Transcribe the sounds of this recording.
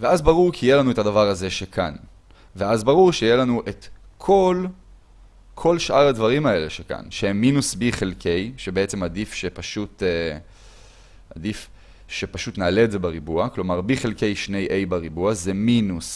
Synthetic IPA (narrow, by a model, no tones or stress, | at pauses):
veazbaʁuʁkijelanuetadavaʁaze̞ʃekʰan | veazbaʁuʁʃejelanuʔe̞tkʰo̞l | kʰo̞lʃʔaʁadvaʁimae̞le̞ʃeka̰nʃehemːinusbiχelkʰe̞jʃebeet͡se̞madifʃepaʃut̪e | adif | ʃe̞paʃut̪naːleːdze̞beʁibuaklo̞maʁbiχe̞lke̞jʃne̞jʔejbaʁibuazeminus